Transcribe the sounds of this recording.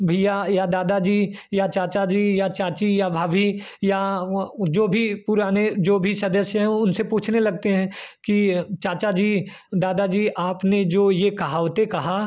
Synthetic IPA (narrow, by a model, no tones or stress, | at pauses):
bʱijajad̪aːd̪ad͡ʒiː | jat͡ʃaːt͡ʃad͡ʒiːjat͡ʃaːt͡ʃijabʱaːbʱi | ja | d͡ʒoːbʱipʊɾaːned͡ʒoːbʱisɐd̪əsjɦɛ̃ʊnsepuːt͡ʃʰnelɐɡ̚t̪eɦɛ̃kit͡ʃaːt͡ʃad͡ʒiː | d̪aːd̪ad͡ʒiːaːpned͡ʒoːjekɐɦaːʋt̪ekɐɦa